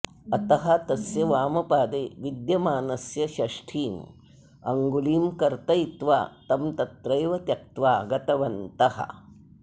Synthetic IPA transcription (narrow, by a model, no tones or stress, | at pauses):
ɐt̪ɐɦɐ̆t̪ɐsjɐʋaːmɐpaːd̪eːʋid̪jɐmaːnɐsjɐʃɐʂʈʰiːm | ɐŋɡuliːmkɐɾt̪ɐjit̪ʋaːt̪ɐmt̪ɐt̪ɾɐjʋɐt̪jɐk̚t̪ʋaːɡɐt̪ɐʋɐnt̪ɐhɐ̰